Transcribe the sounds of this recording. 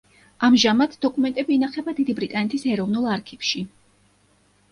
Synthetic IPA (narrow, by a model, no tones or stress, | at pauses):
amʒamad̪d̪ɔkʼumɛnt̪ʼɛbiːnaχɛbad̪id̪ibɾit̪ʼanɛt̪ʰisɛɾɔvnulˠaɾkʰifʃi